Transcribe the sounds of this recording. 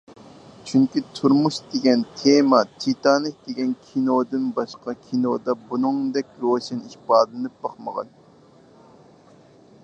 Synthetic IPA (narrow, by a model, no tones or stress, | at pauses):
t͡ʃʰyŋkʲit̪ʰuɾmuʃd̪eɡʲɛnt̪ʰemɑt̪ʰit̪ɑːnɨk̚d̪eɡʲɛnkʲʰinod̪ɨnbɑʃqɑkʲʰinod̪ɑbunɨŋd̪ɛkʲɾoʃiniʃbɑːd̪lˠɨnɨp̚b̥ɑχmə̰ʁɑ̰n